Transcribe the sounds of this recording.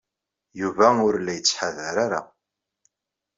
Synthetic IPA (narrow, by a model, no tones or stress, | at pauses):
juvæʊɾlːæjət͡sːħaðæɾaɾa̰